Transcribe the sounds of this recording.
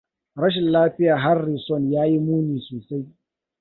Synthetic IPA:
ɽɐ˦ʃ̬ɪ˨nlaː˦ɸɪ˦jaː˨ɦa˦rːi˨sɔ˦˨njaː˦ji˦muː˦niː˨soː˨sa˦j

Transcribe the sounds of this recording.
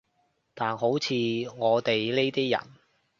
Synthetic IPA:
t̪aː˨nɦo˨˥wt͡sʰiː˨˧ŋɔː˨˧t̪e˨jle˥t̪iː˥jɐ̰˨˩n

